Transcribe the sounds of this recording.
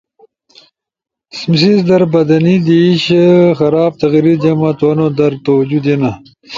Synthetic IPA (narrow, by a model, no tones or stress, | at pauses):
smsizd̪ɐɾbɐd̪ɐnid̪iɕxɐɾaːb̚t̪ɐɣiɾiɾd͡ʑɐmɐt̪oɐnod̪ɐɾt̪owd͡ʑud̪enɐ